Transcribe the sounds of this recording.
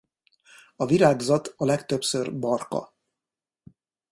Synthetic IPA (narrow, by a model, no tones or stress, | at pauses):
ɒviɾaːɡzɒt̪ɒlɛkt̪øpsørbɒrkɒ̰